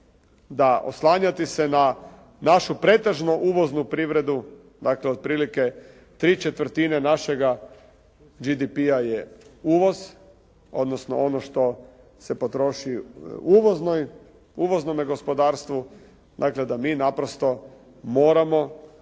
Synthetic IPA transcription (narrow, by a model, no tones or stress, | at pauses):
d̪aʔo̰slˠaːɲat̪isena | naʃupɾe̞t̪eʒnoʔuːʋo̞znupɾiʋɾe̞d̪u | d̪aːkleo̞d̪̚pɾiːlike̞ | t̪ɾiːt͡ʃet̪ʋɾ̩t̪inenaʃe̞ɡa | d͡ʒid̪ipiajeuːʋo̞z | o̞̰d̪nosno̞̰ʔonoʃt̪o̞ | se̞po̞t̪ɾo̞ʃiuʋoznoj | uʋo̞znomeɡo̞spo̞d̪aːɾst̪ʋu | d̪a̰kled̪amiːnapɾost̪o̞ | mo̞ːɾamo̞